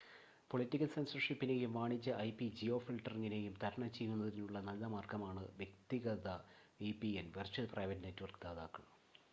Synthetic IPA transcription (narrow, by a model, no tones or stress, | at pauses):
po̞ɭitːikːɐlse̞nsɐrʂipːine̞ːjumʋaːɳit͡ɕːɐʔɐjpːid͡ʑio̞ːfilʈɐrŋːine̞ːjumt̪ɐɾɐɳɐmt͡ɕe̞jːunːɐðininuɭːɐnɐlːɐmaːrkɐmaːɳɨʋje̞kt̪iɣɐðɐ | ipienʋɐrt͡ɕuɐlprɐjʋɐtːnetːuʋɐrkɨd̪aːðaːkːɐɭ